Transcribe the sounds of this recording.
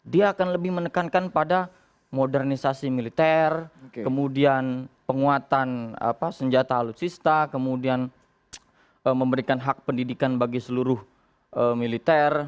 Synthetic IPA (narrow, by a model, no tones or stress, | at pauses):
diaːkanləbɪhmənəkankanpada | modɛrnisasimilit̪ɛrkəmudianpəŋuat̪ana̰pasəɲd͡ʒat̪aːlut̪sist̪akəmudian | ʔəməmbəɾikanɦak̚pəndidikanbaɡisəluɾʊh | əmilit̪ɛr